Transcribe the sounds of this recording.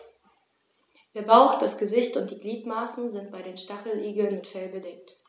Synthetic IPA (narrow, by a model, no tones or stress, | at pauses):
d̥eːɐbaʊxd̥asɡ̥əzɪçtʊnt̚d̥iːɡliːtmaːsn̩zɪntb̥aɪdeːnʃtaχl̩ʔiːɡl̩nmɪtfɛlbədɛk̚t